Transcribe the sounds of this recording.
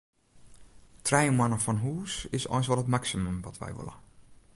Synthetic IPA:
tʰrɛjmwanəfɔnɦuːsɪsɔ̰jnsʋɔlˠətmaksiməmʋɔtʰʋɛ̰jʋɪ̰lə̰

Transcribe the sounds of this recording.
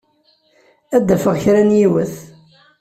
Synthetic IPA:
æd̪ːæfəʁçɾænjiwəθ

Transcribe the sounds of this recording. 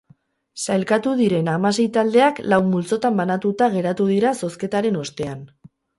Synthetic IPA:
sajlkat̪uðiɾe̞namase̞jt̪ald̪e̞aklawmult͡so̞t̪ambanat̪ut̪aɣ̞e̞ɾat̪uð̞iɾaso̞ske̞t̪aɾe̞no̞st̪e̞an

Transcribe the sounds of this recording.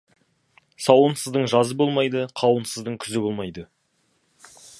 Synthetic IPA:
sɑwənsəzd̪əɴʒɑzəbo̞lˠmɑjd̪əqʰɑwənsəzd̪əɴkʲʰʏzɪbo̞lˠmɑjd̪ə

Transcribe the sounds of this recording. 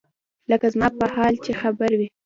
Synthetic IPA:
ləkazmɑpəhɑlt͡ʃexabaɾwi

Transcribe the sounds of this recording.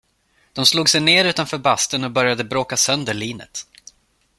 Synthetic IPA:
d̪̥ɔmsluːɡsɛjneːɾʉ̟ːt̪anfœːɾbast̪ənɔbœɾjad̪əbɾoːkasœnd̪əɭiːnə̰t̪

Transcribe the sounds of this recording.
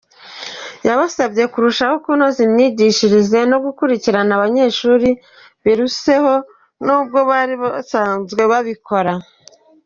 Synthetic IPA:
jaβasabɟe̞kuɾuʃaho̞kuno̞zimɲiɟiʃiɾize̞no̞ɡukuɾiciɾanaβaɲe̞ʃuːɾi | βiɾuse̞ho̞ | nuːb̚ɡo̞βaːɾiβasaːnzɡe̞βaβikʰo̞ɾa

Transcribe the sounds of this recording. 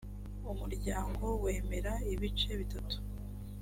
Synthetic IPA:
umuɾɟaːŋɡo̞we̞ːme̞ɾaiβit͡ʃe̞βitatu̥

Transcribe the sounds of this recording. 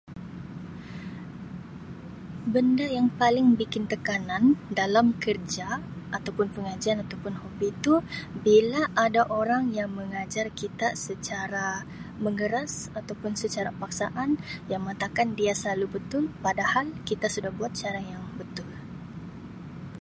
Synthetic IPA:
bəndajaŋpalɪŋbikɪnt̪əkanandalamkərd͡ʒaʔːt̪awpʊnpəŋad͡ʒianat̪awpʊnhobit̪ubilaʔːdaʔoɾaŋjaŋməŋad͡ʒarkit̪asət͡ʃaɾa | məŋəɾasat̪awpʊnsət͡ʃaɾapaksa̰ʔanjaŋməŋat̪akandiasəlalubət̪ʊlpadahalkit̪asudahbuat̪̚t͡ʃaɾajaŋbət̪ʊl

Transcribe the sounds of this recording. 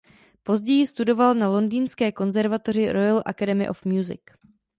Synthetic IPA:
po̞zɟɛjɪst̪udo̞valnalo̞ndiːnskɛːko̞nzɛɾvat̪orɪɾʔojalʔa̰kadɛmɪ̰ʔo̰fmjuzɪ̰k

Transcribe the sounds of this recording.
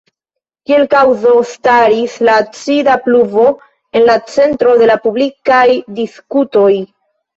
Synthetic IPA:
kie̞lkawzo̞staɾislat͡sidapluvo̞ | e̞nlat͡se̞ntɾo̞de̞lapublikajdiskuto̞j

